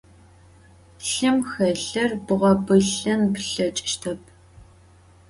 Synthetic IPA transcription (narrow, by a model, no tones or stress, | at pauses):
ɬɨmxɐɬɐrbɨʁʷɔbɨɬɐnpɬɐt͡ʃʼɪ̥ʃtʰɐpʰ